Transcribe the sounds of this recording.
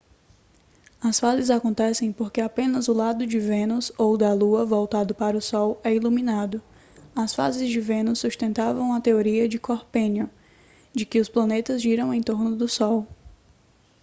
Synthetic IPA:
ɐsfazɪzakõnt̪ɛsẽj̃poɾkeapẽnɐzʊlad̪ʊd͡ʒɪvẽnʊzowd̪ɐluɐvɔwt̪ad̪ʊpaɾɐʊsɔwɛilumĩnad̪ʊ | ɐsfa̰zɪzd͡ʒɪvẽnʊsːust̪ẽnt̪avɐ̃w̃ɐt̪eoɾiɐd͡ʒɪkoɾpẽnjʊ | d͡ʒɪkɪʊsplɐ̃net̪ɐzʒiɾɐ̃w̃ẽj̃t̪oɾnʊd̪ʊsɔw

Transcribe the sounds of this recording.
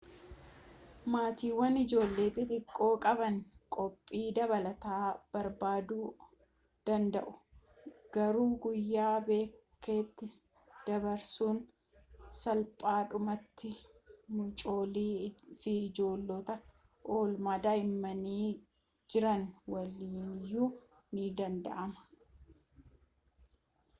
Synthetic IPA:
maːt̪iːwːɐnɪd͡ʒo̞ːlːeːt̪ɪt̪ʼɪkʼːo̞ːkʼɐbɐnkʼɔpʼːiːd̪ɐβɐlɐt̪aːb̥ɐɾbaːd̪uː | d̪̥ɐnd̪ɐʔʊ̥ | ɡ̥ɐɾuːɡʊjːaːbe̞ːkʰːe̞ːt̪ːɪ | d̪̥ɐbɐɾsuːn | sɐlpʼaːᶑʊmɐt̪ːɪmʊt͡ʃʼo̞ːliːfɪɪd͡ʒo̞ːlːɔt̪ɐ | ʔoːlmaːd̪aːɪmːɐniː | d͡ʒɪɾɐnwɐliːnjuː | nɪd̪ɐnd̪ɐ̰ʔɐmɐ̥

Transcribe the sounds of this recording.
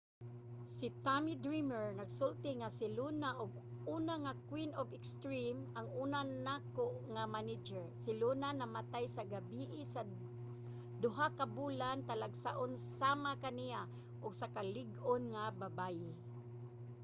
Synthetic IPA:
sit̪amid̪ɹimɛɹnaɡsʊlt̪ɪŋasɪlunaʔʊɡ̚ | uːnaŋakwinovɪkst̪ɹimʔaŋuːnanakoʔŋamanɪd͡ʒɛɹsɪlunanamat̪ajsaɡabiʔɪsa | d̪ʊɦakabuːlant̪alaɡsaʔonsamakanija | ʔʊɡsakalɪɡʔonŋababajɪ

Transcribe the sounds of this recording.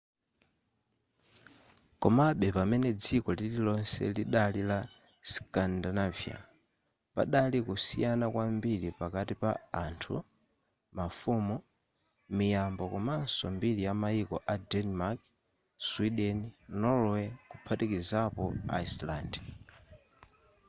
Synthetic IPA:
kɔmaɓɛpamɛnɛd͡zikɔlililɔnsɛ̰liɗalila | skandanavia̰ | pa̰ɗalikusḭjanakwambiɾipakatipaantʰṵ | mafumu | mijambɔkɔmansɔmbilijamaikɔʔadɛnmak | swiɗɛninɔlwɛkupʰatikizapɔ̰a̰islaːnd

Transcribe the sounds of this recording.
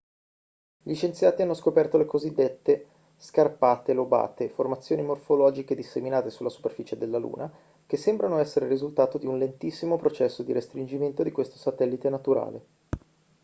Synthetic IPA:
ʎit͡ʃent̪sjaːt̪ianːoskopɛrt̪olekozid̪ːet̪ːe | skarpaːt̪eloba̰ːt̪eformat̪sːjoːnimorfolɔːd͡ʒiked̪isːeminaːt̪esulːasu̥perfiːt͡ʃed̪elːalṵːnʔa | kesːembɾanoɛsːeɾeɾizult̪aːt̪od̪iunlent̪isːimopɾot͡ʃɛsːod̪iɾest̪ɾind͡ʒiment̪od̪ikwest̪o̥sat̪ɛlːit̪enat̪uɾa̰ːle

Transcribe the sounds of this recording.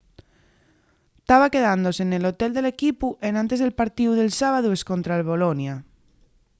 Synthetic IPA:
t̪aβake̞ðand̪o̞senelo̞t̪eld̪e̞le̞kipuʔe̞nãnt̪e̞zðelpaɾt̪iuðe̞lsaβaðue̞sko̞nt̪ɾaelβo̞lonja

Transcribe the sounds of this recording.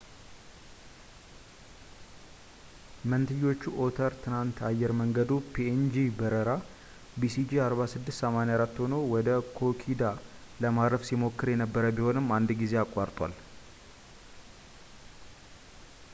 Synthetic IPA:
mənt̪ʰɨjːo̞t͡ʃːuʔo̞t̪ʰəɾt̪ʰɨnant̪ʰajːɛɾməŋɡəd̪upʰiend͡ʒibəɾəɾa | bisid͡ʒiaɾβasɨd̪ːɨst̪səmanajaɾat̪ːho̞nowɔd̪əkʰo̞kʰid̪a | ləmaɾəfsimo̞kːɨɾjɛnəbːəɾəbiho̞nɨmːand̪ɡize̞akʼːaɾt̪ʼwa̰l

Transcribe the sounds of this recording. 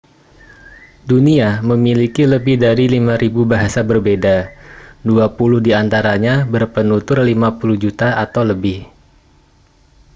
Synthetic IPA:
duniaməmilikiləbɪhdaɾilimaɾibubaɦasabərbedaduapulʊhdiant̪aɾaɲabərpənut̪ʊrlimapuluhd͡ʒut̪aʔat̪awləbɪh

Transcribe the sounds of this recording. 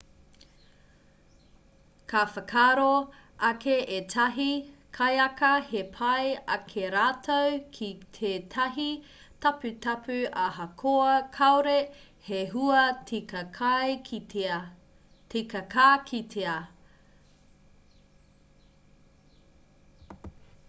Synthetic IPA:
kʰɐfɐkʰaːɾo | ʔɐkʰeetʰɐɦikʰɐjɐkɐhepʰɐjɐkʰeɾaːtʰowkʰitʰetʰɐɦi | tɐpʉtɐpʰʉaɦɐkʰoɐkʰɐwɾe | heɦuɐtikɐkʰj | tekɐkʰakʰitʰea

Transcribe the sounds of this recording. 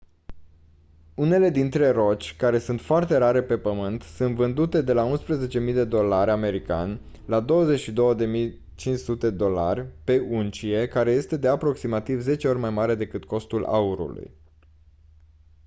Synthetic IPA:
une̞le̞d̪int̪ɾe̞ro̞t͡ʃʲkaɾe̞sunt̪foart̪e̞ɾaɾe̞pe̞pəmɨnt̪sunt̪vɨnd̪ut̪e̞d̪e̞launspɾəze̞t͡ʃe̞mijd̪e̞d̪o̞laɾʲame̞ɾika̰nʲ | lad̪o̞wəze̞ʃid̪o̞wəd̪e̞mij | t͡ʃint͡ʃʲsut̪e̞d̪o̞la̰rʲpe̞ʔunt͡ʃije̞kaɾe̞je̞st̪e̞d̪e̞apɾo̞ksimat̪ivze̞t͡ʃeo̞rʲmajmaɾe̞d̪e̞kɨt̪ko̞st̪ula̰uɾṵlṵj

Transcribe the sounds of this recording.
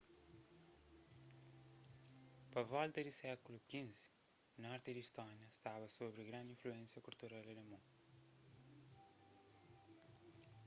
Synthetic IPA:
pɐvɔlˠt̪ɐðusɛkulukĩz | nɔɾt̪iɾiʃt̪ɔɲɐʃt̪avɐsoβɾɨɣɾɐ̃nd̪ĩfluẽnsjɐkuɾt̪uɾalɐlɐmũ

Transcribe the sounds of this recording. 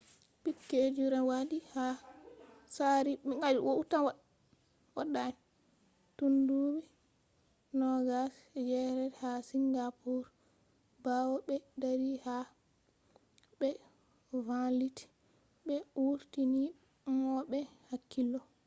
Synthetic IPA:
pikːed͡ʒuɾɛwadiha | saɾiŋad͡ʒiwoutanwa | waɗːaɛn | tundubi | nɔɡasd͡ʒɛɾɛɾhasiŋɡapʰuɾ | bawɔɓɛdaɾiha | ɓɛ | valiti̥ | ɓɛuɾtini | mɔɓɛhakːilːɔ

